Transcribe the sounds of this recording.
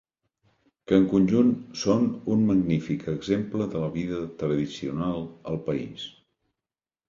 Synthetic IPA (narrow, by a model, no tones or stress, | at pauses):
kəːŋkunʲʒunsonunməɡnifikəɡzempləðələβiðət̪ɾəðisiunalˠəlˠpəḭs